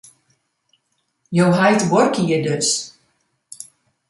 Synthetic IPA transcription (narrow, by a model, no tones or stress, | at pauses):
jowɦajtʋɔrkiədøs